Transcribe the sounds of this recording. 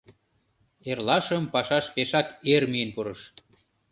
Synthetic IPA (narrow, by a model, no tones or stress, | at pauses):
erlɑʃəmpɑʃɑʃpeʃɑkermijenpuɾəʃ